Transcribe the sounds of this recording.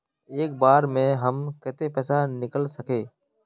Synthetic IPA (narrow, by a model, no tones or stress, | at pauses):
eːk̚baːɾmẽːɦəmkɛːt̪epɛːsanɪkəlsəkʰeː